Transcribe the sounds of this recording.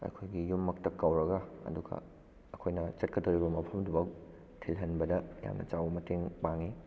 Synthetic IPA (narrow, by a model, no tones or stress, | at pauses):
ɐ̰kʰojɡijumːɐktɐkːawɾɐɡɐɐ̰duɡɐ̰ | ɐkʰojnɐt͡ʃɐt̚kɐdɐwɾibɐmɐpʰɐmdubɐk̚ | tʰilɦɐnbɐdɐja̰mnɐ̰t͡ʃawɐmɐteŋpaŋi